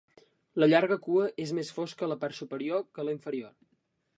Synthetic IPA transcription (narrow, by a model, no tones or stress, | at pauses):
ləʎaɾɣəkuəʔezmesfoskələpart̪supəɾiokəliɱfəɾior